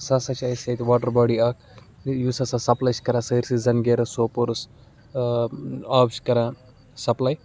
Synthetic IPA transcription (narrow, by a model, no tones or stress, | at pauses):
sasɐt͡ʃaːiset̪ʋaːʈɐɾbaːɖiaːk̚ | juːsɐsɐsɐplɐjt͡ʃkɐɾãːsɐɾsizɐnɡeːɾɐsoːpuɾus | aːbt͡ʃkɐɾãː | sɐplɐj